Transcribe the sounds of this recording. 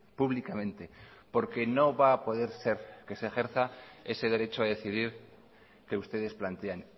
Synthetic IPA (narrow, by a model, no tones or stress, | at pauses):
puβlikamẽ̞nt̪e̞po̞ɾke̞no̞βaːpo̞ð̞e̞ɾse̞ɾke̞sexe̞ɾθae̞se̞ð̞e̞ɾe̞t͡ʃoað̞e̞θiðiɾ | ke̞ust̪e̞ð̞e̞splant̪e̞an